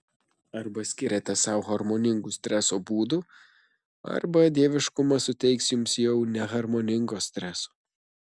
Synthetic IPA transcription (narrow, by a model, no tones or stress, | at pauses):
ɐɾbɐsʲkʲɪɾʲeːt̪ʲɛsɐˑʊɣɐɾmoːnʲɪŋɡusʲt̪ʲɾʲɛsoːbuːd̪u | ɐ̰ɾbɐd̪ʲeːʋʲɪʃkʊmɐsʊt̪ʲɛɪksjʊmsjɛʊnʲɛɣɐɾmoːnʲɪŋɡoːsʲt̪ʲɾʲɛso̥ː